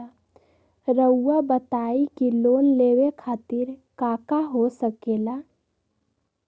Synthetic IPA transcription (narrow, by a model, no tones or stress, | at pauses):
ɾəwːabət̪aikilonlewekʰat̪iɾkakaɦosəkela